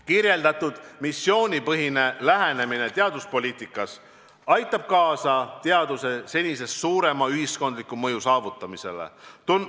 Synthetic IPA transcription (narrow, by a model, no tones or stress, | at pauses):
kirje̞ld̪̥ɑt̪ːud̪̥misːjo̞ːnʲipɤɦine̞læɦene̞minet̪eɑd̪̥uspo̞lʲiːt̪ˑikːˑɑs | ɑjt̪ːˑɑb̥̚kɑːsɑt̪e̞ɑd̪use̞se̞nʲise̞ssuːɾe̞mɑyɦisko̞nd̪likːˑumɤjusɑːvut̪ːˑɑmise̞̰lḛt̪un